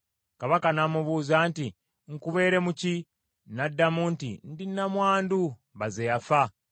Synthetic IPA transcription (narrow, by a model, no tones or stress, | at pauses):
kaβakanamuβuːzaːnti | ŋ̩kuβe̞ːɾe̞muci | nadːamuntḭndinːamwaːndu | βazejafa